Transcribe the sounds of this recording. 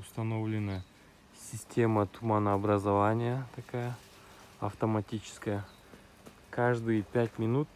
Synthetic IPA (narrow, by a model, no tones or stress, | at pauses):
ʊst̪ɐnovlʲɪnə | sʲɪsʲtʲe̞mət̪ʰʊmanəːbɾɐzɐvanʲɪjət̪ɐkajə | ɐft̪ɐmɐtʲit͡ɕɪ̥skəjə | kʰaʐd̪ɨjpʲætʲmʲɪnut̪̚